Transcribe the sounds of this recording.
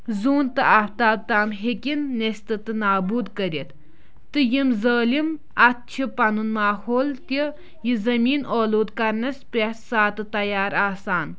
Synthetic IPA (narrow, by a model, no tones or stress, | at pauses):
zuːnt̪ɨaft̪aːb̚t̪aːmɦekʲinːest̪ɨt̪ɨnaːbuːd̪kɐɾit̪ | t̪ɨjimzəːlim | ɐt̪̚t͡ʃʰipɐnunmaːhoːlt̪i | jizɐmiːnʔoːloːd̪kɐɾnɐspesaːt̪ɨt̪ɐjaːɾaːsaːn